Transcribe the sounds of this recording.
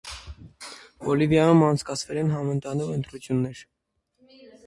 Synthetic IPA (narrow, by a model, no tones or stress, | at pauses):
ɔlivjɑjumɑnt͡sʰkɑt͡sʰvɛlɛnɦɑmənt̪ɑnuʁənt̪ɾut͡sʰjunːɛɾ